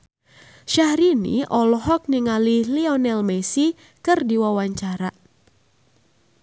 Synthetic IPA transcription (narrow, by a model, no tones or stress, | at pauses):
ʃahɾinḭʔɔlɔɦɔk̚niŋaliliɔnɛlmesi | kɨrdiwawaɲt͡ʃaɾa